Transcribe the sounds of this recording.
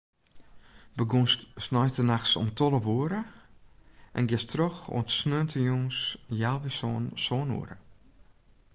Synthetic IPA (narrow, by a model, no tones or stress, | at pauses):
bəɡonsnɔjtənaxsɔ̰mtʰɔləʋuəɾə | ʔɛ̰nɡɪstroxo̰tsnøəntʰəjoŋsjalˠʋɪssɔːnṵəɾə̰